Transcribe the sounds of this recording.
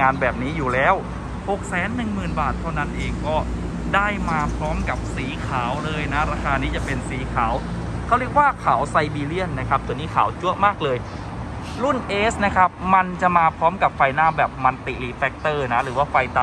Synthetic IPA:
ŋaː˧nbɛː˨˩p̚niː˦˥juː˨˩lɛː˦˥w | ho˨˩k̚sɛː˩˦nːɯ˨˩ŋmɯː˨˩nbaː˨˩t̪ʰːa˥˩na˦˥nʔeː˧ŋkɔː˥˩ | daː˥˩jmaː˧pʰɾɔː˦˥mka˨˩p̚siː˩˦kʰaː˩˦wlɤː˧jna˦˥ɾaː˧kʰaː˧niː˦˥t͡ɕa˨˩pe˧nsiː˩˦kʰaː˩˦w | kʰa˦˥˩wɾi˦˥ə˩k̚waː˥˩kʰaː˩˦wsa˧jbiː˧li˥˩ənːa˦˥kʰa˦˥p̚t̪u˧əniː˦˥kʰaː˩˦wt͡ɕu˦˥əmaː˥˩k̚lɤː˧j | lu˥˩nʔeː˦˥sna˦˥kʰa˦˥p̚ma˧nt͡ɕa˨˩ʔmaː˧pʰɾɔː˦˥mka˨˩p̚fa˧jnaː˥˩bɛː˨˩p̚ma˧nt̪i˨˩liː˧fɛ˦˥k̚t̪ɤː˥˩na˦˥ɾɯː˩˦waː˥˩fa˧jt̪a˧

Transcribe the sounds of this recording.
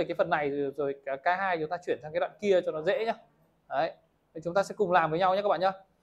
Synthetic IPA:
kaː˨˦jfə˨˩nːa˨˩jzo˨˩jkːkaː˧ɦaː˧jt͡ɕʊ˨˦ŋ͡mt̪aː˧t͡ɕwi˧˩ənt̪aː˧ŋkaː˦ɗwa̰ː˧˨nki˧ət͡ɕɔ˧nɔ˨˦zḛ˧˥ɲaː˨˦ | ʔəː˨˦j | t͡ɕʊ˨˦ŋ͡mt̪aː˧sɛ̰˧˥kʊ˨˩ŋ͡mlaː˨˩mvəː˨˦jɲa˧wɲa˧˦aː˦˥kɓa̰ː˧˨˩ɲaː˧˦

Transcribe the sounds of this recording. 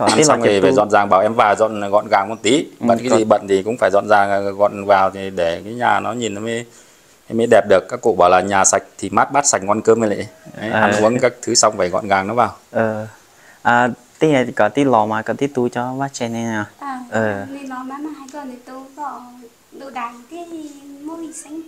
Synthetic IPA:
kɔ˧˩˧a˧wŋ͡mva˨˩zɔ̰˧˨nzaː˨˩ŋɓaː˧˩wʔɛ˧mvaː˨˩wzɔ̰˧˨nɣɔ̰˧˨nɣaː˨˩ŋmɔ˨˩t̚t̪i˨˦ɓə̰˧˨nkːa˨˦zi˨˩ɓə̰˧˨nt̪ʰi˨˩kʊ̰˧˥ŋ͡mfaː˧˩jzɔ̰˧˨nzaː˨˩˨ɣɔ̰˧˨nvaː˨˩wt̪ʰi˨˩ɗe˧˩kaː˨˦jɲaː˨˩nɔ˨˦ɲi˨˩nʔmə˨˦j | ʔɛ˧mə˨˦jɗɛ˨˩p̚ɗɨ˨˩əkːaː˦˥kːṵ˧˨ɓaː˧˩wlaː˨˩ɲaː˨˩sa˨˩jk̟̚t̪ʰi˨˩maː˦˥t̚ɓaː˦˥t̚sa˨˩k̚ŋwa˧nkəː˧mə˧lḭ˧˨˦ə˨˦aː˨˩˦u˨˦əŋkaː˦˥k̚t̪ʰɨ˨˦sa˧wŋ͡mfaː˧˩jɣɔ̰˧˨nɣaː˨˩ŋnɔ˨˦vaː˨˩wʔəː˨˩ | ʔaː˨˩ | t̪i˧˦˧kɔ˨˩t̪i˦˥lɔ˨˩maː˨˩kɔ˧˩t̪i˦˥t̪u˧t͡ɕɔ˧ɓaː˦˥t͡ɕɛ˧na˧ɲɔ˧˩˧ʔəː˨˩ni˧˩nɔ˨˦maː˨˦maː˨˩ha˧˩kə˨˩ni˨˩t̪u˧kɔ˧˩˨ | ɗo̰˧˨ɗaː˨˩˨t̪i˨˦˨mo˧hi˨˩sa˧ŋ

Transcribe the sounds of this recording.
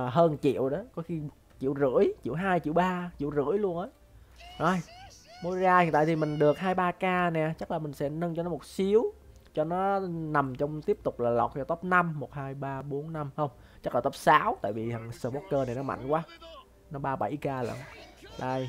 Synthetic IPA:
ɦəː˧nt͡ɕḭ˧˨əwɗə˨˦kɔ˨˦xi˧ | t͡ɕḭ˧˨əwzɨ̰˧˥əjt͡ɕḭ˧˨əwɦaː˧jt͡ɕḭ˧˨əwɓaː˧t͡ɕḭ˧˨əwzɨ̰˧˥əjlu˧ənʔəː˨˦ | ʔə˧˩jmo˨˧˦jzaː˧ji˨t̪a̰ː˧˨t̪ʰi˨˩mï˨˩ŋ̟ɗɨ˨˩ək̚haː˧jɓaː˧kaː˧nɛ˨˩t͡ɕa˦˥k̚laː˨˩mï˨˩ŋ̟sɛ̰˧˥nə˧nt͡ɕɔ˧nɔ˨˦mo˨˩t̚si˨˦əw | t͡ɕɔ˧nɔ˨˦na˨˩mt͡ɕɔ˧wŋ͡mt̪i˦˥əp̚t̪ʊ˨˩k͡p̚laː˨˩la̰˨˩wk͡p̚t͡ɕɔ˧t̪ə˦˥p̚na˧mːo˨˩t̚haː˧jɓaː˧ɓo˨˦ənːa˧mhə˧wŋ͡m | t͡ɕa˦˥k̚laː˨˩t̪ə˦˥p̚saː˨˦wt̪a̰ː˧˨jvi˨˩˨ŋsəː˧˩ɓɔ˦˥kkːəː˧na˨˩jnɔ˨˦ma̰˧˨jŋ̟kwaː˨˦ | nɔ˨˦ɓaː˧ɓa˧˩jkaː˧la̰ː˧˩nɗə˧˩j

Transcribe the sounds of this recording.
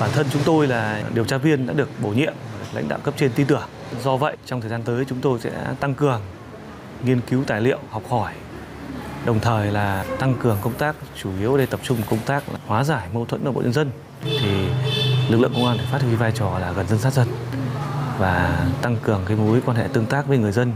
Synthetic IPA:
ɓaː˧˩nt̪ʰə˧nt͡ɕʊ˨˦ŋ͡mt̪o˧jlaː˨˩ɗi˨˩əwt͡ɕaː˧vi˧ənɗa̰ː˧˥ɗɨ˨˩ək̚ɓo˧˩ɲḭ˧˨əmaː˨˩ɗɨ˨˩əkla̰˧˥ŋɗa̰ː˧˨wkə˦˥p̚t͡ɕe˧nt̪i˧t̪ɨ˧˩əŋ | zɔ˧və̰˧˨jt͡ɕɔ˧ŋ͡mt̪ʰəː˨˩zaː˧nt̪əː˨˦jt͡ɕʊ˨˦ŋ͡mt̪o˧jsɛ̰˧˥t̪a˧ŋkɨ˨˩əŋ | ŋi˧ənki˨˦wt̪aː˨˩jlḭ˧˨əwhɔ˨˩wk͡p̚hɔ˧˩j | ɗə˨˩wŋ͡mt̪ʰəː˨˩jlaː˨˩t̪a˧ŋkɨ˨˩əŋkə˧wŋ͡mt̪aː˦˥k̚t͡ɕu˧˩ʔi˨˦əwɗe˧t̪ə˨˩p̚t͡ɕʊ˧ŋ͡mkə˧wŋ͡mt̪aː˦˥k̚la̰ː˨˩hwaː˨˦zaː˧˩jmo˧t̪ʰwə˧˥nʔəː˧˩ɓ̰ʔɲə˧nzə˧n | t̪ʰi˨˩lɨ˨˩k̚lɨ̰˧˨ə˨kŋ͡mʔaː˧nt̪əː˨˧˩fa˦˥hɨ˧˩˧vaː˧jt͡ɕɔ˨˩laː˨˩ɣə˨˩nzə˧nsa˦˥t̚zə˧n | vaː˨˩t̪a˧ŋkɨ˨˩əŋkaː˨˦jmu˨˦jkwaː˧nɦɛ̰˧˥t̪ɨ˧əŋt̪aː˦˥k̚vəː˨˦jŋɨ˨˩əjzə˧n

